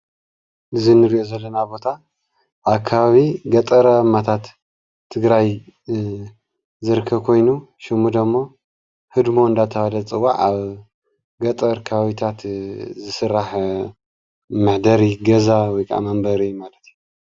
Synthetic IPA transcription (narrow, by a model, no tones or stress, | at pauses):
ʔɨzinɨɾiʔozɐlːɐnabo̞t̪ʰa | ʔaβkʰːaβaβiɡɐt̪ʼɐɾɐmːat̪ʰat̪ʰː | ɨɡɾaj | zɨɾɨkʰːɐβkʰo̞jnuʃɪmud̪ɐmːo̞ | hɨd̪mo̞ɨnd̪at̪ʰɐwalɐt͡sʼɨwaʕaβ | ɡɐt̪ʼɐɾkʰɐβaβit̪ʰat̪zɨsɨrːaħ | mɨħd̪ɐɾiɡɐzawɔjkʰaʔa̰mɐmbɐɾimalɐt̪ju